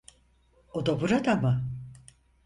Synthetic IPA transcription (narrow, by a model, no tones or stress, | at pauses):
od̪abuɾad̪amɯ